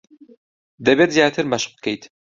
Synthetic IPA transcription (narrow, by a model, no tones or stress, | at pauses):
d̪ɐbeːt̪zjaːt̪ʰɨɾmɐʃbə̥kʰejt̪